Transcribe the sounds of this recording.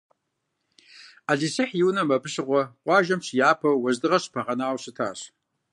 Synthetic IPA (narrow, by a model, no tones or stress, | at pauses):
aːɮisɨħjɪwnɐmɐbɨɕɨʁʷɔqʷɑːʒɐmɕjaːpʰɐwɐzdɨʁɐɕpʰɐʁɐnaːwɕɨtʰa̰ːɕ